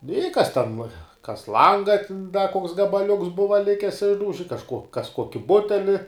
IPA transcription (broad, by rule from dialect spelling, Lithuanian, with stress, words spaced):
nʊ ɪ kɐs tʲɛn kɐs ˈlˠɐŋɡɐ tʲɪn dɐ koːks ɡɐbɐˈlʲʊks ˈbʊʋɐ ˈlʲɪkʲɪs ˈɪʒdɐʊʒʲɪ kɐʃˈkuɔ kɐs ˈkuɔkʲɪ ˈbʊtʲɛlʲɪ